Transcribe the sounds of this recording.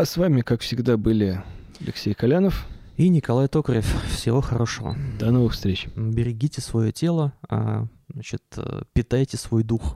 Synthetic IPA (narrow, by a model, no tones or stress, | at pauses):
ɐsvamʲɪkakfsʲɪɡd̪abɨlʲɪ | ɐlʲɪ̰ksʲejkɐlʲanəf | inʲɪkɐlˠajt̪o̞kɾʲɪɪffsʲɪvo̞xɐɾo̞ʂəvə̰d̪ɐnovɨxfst̪ɾʲet͡ɕbʲɪɾʲɪɡʲitʲɪsvɐjotʲe̞lˠəa̰ | at͡ɕɪt̪pʲɪt̪ajtʲɪsvo̞jd̪ux